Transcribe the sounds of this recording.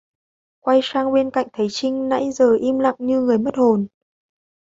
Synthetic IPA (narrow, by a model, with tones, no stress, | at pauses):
kwa˧jsaː˧ŋɓe˧nka̰˧˨jŋ̟t̪ʰə˨˦jt͡ɕï˧ŋ̟na̰˧˥jzəː˨˩ʔi˧mla̰˧˨ŋɲɨ˧ŋɨ˨˩əjmə˦˥t̚ho˨˩n